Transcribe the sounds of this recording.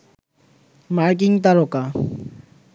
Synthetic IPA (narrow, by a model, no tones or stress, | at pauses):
maɾk̬iŋt̪aloka